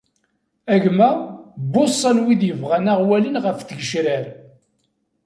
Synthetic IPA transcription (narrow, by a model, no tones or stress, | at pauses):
æʝmæbosˤːɑnwid̪jəvʁanaʁwælənʁəfθəɡəʃɾæɾ